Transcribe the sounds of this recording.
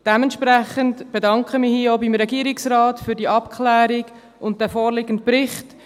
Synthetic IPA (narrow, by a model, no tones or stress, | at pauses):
d̥ɛmɛntʃpɾæχəntb̥edɑŋkχəmihiːoʊbimɾɛɡiːɾɪksɾɑːtfyːɾdiəʔɑpkʰχlæːɾɪɡ | ʔʊnt̚d̥ɛːfoːɾlɪɡəntpɾɪχt